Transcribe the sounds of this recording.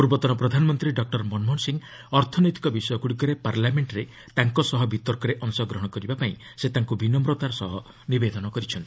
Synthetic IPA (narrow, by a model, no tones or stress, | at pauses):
puɾbɔt̪ɔnɔpɾɔd̪ʱanmɔnt̪ɾiɖɔk̚ʈɔɾmɔnmɔnsiŋ | ɔɾt̪ʰɔnɔjt̪i̥kɔbisɔjɔkuɽikɔɾepaɾlameɳʈɾe | t̪aŋkɔsɔɦɔbʱit̪ɔɾkɔɾeʔɔŋsɔɡɾɔɦɔɽ̃ɔkɔɾibapaĩ | set̪aŋkubʱinːɔmɾot̪aɾɔsɔɦɔ | nibed̪ɔnɔkɔɾit͡ʃʰɔnt̪i̥